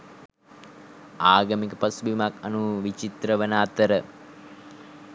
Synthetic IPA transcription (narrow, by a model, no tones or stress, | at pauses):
aːɡəmikəpɐsubimakanuʋit͡ʃit̪ɾəʋənaːt̪əɾə